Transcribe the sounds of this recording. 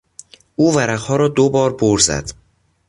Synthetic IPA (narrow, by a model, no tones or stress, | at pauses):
ʔuːvæɾæqhɒːɾɒːd̪obɒːɾboɾzæ̰d̪̥